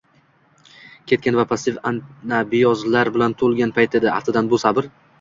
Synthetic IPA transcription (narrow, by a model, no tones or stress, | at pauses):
kʲʰe̞t̪̚kʲanvapʰast̪ɪfannabɪjɒzlaɾbɪlant̪ʰolˠɡʲanpʰajt̪ʰed̪ɪa̰ft̪ʰɪd̪anbʊsabɪɾ